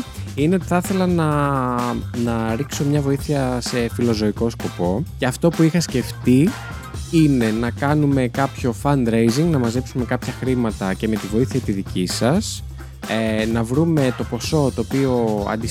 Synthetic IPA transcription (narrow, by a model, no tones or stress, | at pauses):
ine̞o̞t̪i̥θɐθe̞lɐnɐ | nɐɾikso̞mɲɐvo̞iθiɐse̞filo̞zo̞iko̞sko̞po̞ce̞ɐft̪o̞puixɐsce̞ft̪i | ine̞nɐkɐnume̞kɐpço̞fɐnd̪ɾejziŋɡnɐmɐze̞psume̞kɐpçɐxɾimɐt̪ɐce̞me̞t̪ivo̞iθiɐt̪iðicisɐs | enɐvɾume̞t̪o̞po̞so̞t̪o̞ːpio̞ɐ̰nd̪i